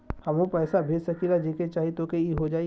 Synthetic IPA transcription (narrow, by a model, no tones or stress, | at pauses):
hɐmũpɛːsabʱeːd͡ʒsɐkilad͡ʒeːket͡ʃaːɦit̪okeiɦod͡ʒaː